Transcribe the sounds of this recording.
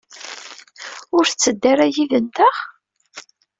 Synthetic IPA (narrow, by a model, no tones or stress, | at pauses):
ʊɾθt͡sːəd̪ːaɾæjiðənt̪əχ